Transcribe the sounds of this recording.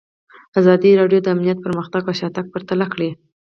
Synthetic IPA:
azɑd̪iɾɑɖjod̪əamnijat̪̚pəɾməxt̪aɡaʃɑt̪aɡ̚pəɾt̪alakɽi

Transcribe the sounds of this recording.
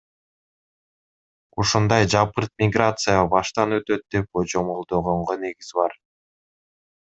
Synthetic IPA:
uʃund̪ɑjd͡ʒɑpɯɾt̪̚mʲɪɡrat̪sɨjəbɑʃt̪ɑnø̞t̪ø̞t̪̚d̪e̞p̚od͡ʒo̞molˠd̪o̞ʁo̞ɴʁone̞ɡizbɑɾ

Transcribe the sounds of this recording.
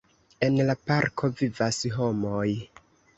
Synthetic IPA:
e̞nlapaɾkʰo̞vivasɦo̞mo̞j

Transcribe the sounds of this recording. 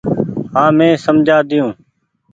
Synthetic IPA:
ɦãːmẽːsəmd͡ʒʱaːd̪ɪjũː

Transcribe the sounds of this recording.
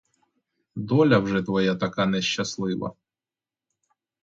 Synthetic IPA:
d̪ɔlʲɐwʐɛt̪ʋɔjat̪ɐkanɛʃːɐslˠɪʋɐ̰

